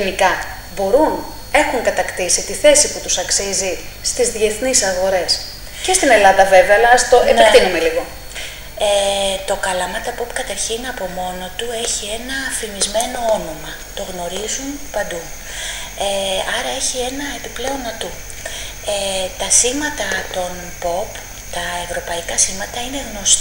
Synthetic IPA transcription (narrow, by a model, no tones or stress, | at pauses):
inikɐ | bo̞ɾun | e̞xuŋkɐt̪ɐkt̪isit̪iθe̞siput̪usɐksizi | st̪izðie̞θnisɐɣo̞ɾe̞s | ce̞st̪ine̞lɐðɐve̞veɐːlɐst̪oʔepekt̪inume̞liɣo̞ | et̪o̞kɐlɐmɐt̪ɐpopi̥kɐt̪ɐɾçinɐpo̞mo̞no̞t̪ue̞çie̞nɐːfimizme̞no̞o̞no̞mɐ | t̪o̞ɣno̞ɾizunpɐnd̪u | eɐɾɐe̞çie̞nɐe̞piple̞o̞nɐt̪u | et̪ɐsiɣmɐt̪ɐt̪o̞n | po̞p | t̪ɐe̞vɾo̞pɐikɐsimɐt̪ɐine̞ɣno̞s